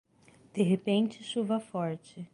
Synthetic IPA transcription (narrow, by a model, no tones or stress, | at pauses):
d̪̥eɦepẽnt͡ʃɪʃuvɐfɔɾt͡ʃɪ